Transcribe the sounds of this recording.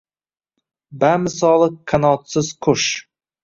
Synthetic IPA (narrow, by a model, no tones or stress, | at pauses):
bamɪsɒlˠɨkʰanɒt̪sɪz̥kʰʊʃ